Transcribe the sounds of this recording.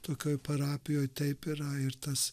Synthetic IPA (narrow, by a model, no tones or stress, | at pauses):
t̪oːkʲoːjpɐɾɑːpʲɪjoːjt̪ʲɛɪpɪɾɐɪɾt̪ɐs